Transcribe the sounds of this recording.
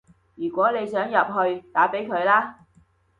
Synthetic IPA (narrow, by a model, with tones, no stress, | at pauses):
jyː˨˩kʷɔː˨˥ne˨˧jsœː˨˥ŋjɐ˨p̚ɦɵ˧ɥt̪aː˨˥pe˨˥jkʰɵ˨˧ɥlaː˥